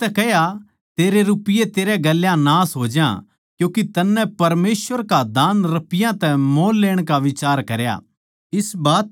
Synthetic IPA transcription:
t̪ɛkɛɦja | t̪eːɾeɾupɪjet̪eːɾeɡɐlːjãnaːsɦoːd͡ʒjã̰ | kjũːkit̪ɐnːɛ̃pɐɾmeːsʋəɾkad̪aːnɾɐpɪjãt̪ɛmoːlːeːɽ̃kaʋɪt͡ʃaːɾkɐɾja̰ | ɪsbaːt̪̚

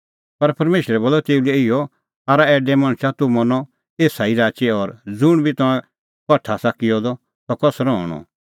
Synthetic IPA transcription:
pɐɾpɐɾmeːʃɾɛboːlɔt̪eːulɛɪjɔ | aːɾaɛːɖɛmɐ̃ɽ̃t͡ʃat̪umɐnɔ | eːsaiɾaːt͡ʃeɔɾd͡zʊɽ̃bʱit̪ɔ̃ɛ̃ | kɐʈʰːasɐkɪjɔd̪ɔ | tɔkɔsɾɔ̃ɔ̰ɽ̃ɔ̰

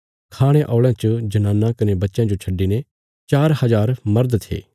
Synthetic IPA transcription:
kʰaːɽ̃eʔɔːɭãt͡ʃəd͡ʒɐnaːnːãkɐnebɐt̪ːʃjãd͡ʒot͡ʃʰɐɖːine | t͡ʃaːɾhɐzaːɾmɐɾd̪t̪ʰḛː

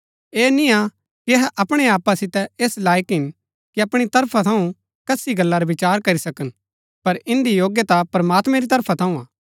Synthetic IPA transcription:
eːnɪja | kiɐɦɛʔɐpɽ̃eaːpasɪt̪ɛeːslaːjkɦɪn | kiɐpɽ̃it̪ɐɾpʰat̪ʰɐũ | kɐsiɡɐlːaɾɐʋɪt͡ʃaːɾkɐɾisɐkən | pɐɾɪ̃nd̪ijoːɡjət̪apɾɐmaːt̪mɛ̃ɾit̪ɐɾpʰat̪ʰɐũaː

